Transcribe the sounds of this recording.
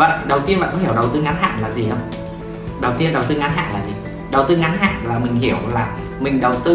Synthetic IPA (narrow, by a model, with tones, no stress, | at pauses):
və̰˧˨ɗə˨˩wt̪i˧ənma̰ː˧˨˩kɔ˨˦həwɗə˨˩wt̪ɨ˧ŋa˨˦nɦa̰ː˧˨nlaː˨˩zi˨˩ɗə˧wŋ͡m | ɗə˨˩wt̪i˧ənɗə˨˩wt̪ɨ˧ŋa˨˦nɦa̰ː˧˨nlaː˨˩zi˨˩ | ɗə˨˩wt̪ɨ˧ŋa˨˦nɦa̰ː˧˨nlaː˨˩mï˨˩ŋ̟ɦi˧˩əwlaː˨˩ | mï˨˩ŋ̟ɗə˨˩wt̪ɨ˧